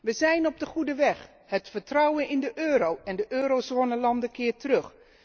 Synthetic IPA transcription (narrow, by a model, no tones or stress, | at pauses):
ʋəzɛjnɔb̚dəχudəʋɛχ | ɦətfəɹtrʌwənɪndəʔøːɾowɛndəʔøːɾowzoːnəlɑndəkɪːɹtərɵχ